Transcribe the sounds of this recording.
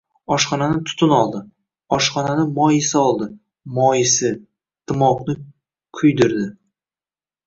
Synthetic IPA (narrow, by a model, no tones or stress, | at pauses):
ɒʃχɒnanɪt̪ʰʊ̥t̪ʰʊnɒlˠd̪ɪ | ɒʃχɒnanɪmɒjɪsɪɒlˠd̪ɪ | mɒjɪsɪ | t̪ʰɪmɒqnɪ | kʲʰʊjd̪ɪɾd̪ɪ